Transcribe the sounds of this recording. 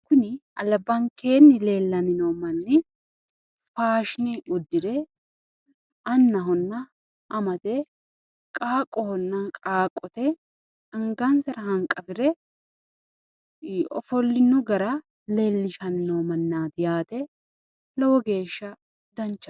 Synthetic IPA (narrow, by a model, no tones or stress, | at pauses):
kʊnɪɐlɐbːɐŋke̞ːnːɪle̞ːlːɐnɪnoːmɐnːɪ | faːʃɪnɪʊd̪ːɪd̪ɛ | ɐnːɐɦɔnːɐ | ʔɐmɐt̪ɛ | kʼaːkʼːɔhɔnːɐkʼaːkʼːɔt̪ɛ | ɐŋɡɐnsɐɾɐhɐŋkʼɐfɪɾɛ | ɔ̰fɔlːɪnːʊɡɐɾɐ | le̞ːlːɪʃɐnɪnoːmɐnːaːt̪ɪjaːt̪ɛ | lɔwɔɡe̞ːʃːɐ | d̪ɐnt͡ʃːɐ